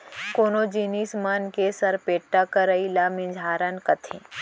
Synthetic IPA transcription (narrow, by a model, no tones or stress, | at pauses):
koːnoːd͡ʒiːniːsmənkesɐɾpeːʈːakəɾəilamĩd͡ʒʱaːɾənkɐt̪ʰḭ̃ː